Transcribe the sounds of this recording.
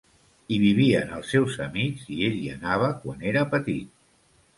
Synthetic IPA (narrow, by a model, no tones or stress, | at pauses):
iβiβ̞iəːnəlˠsːɛwzəmizieʎiə̰naβ̞əkwa̰neɾəpət̪it̪̚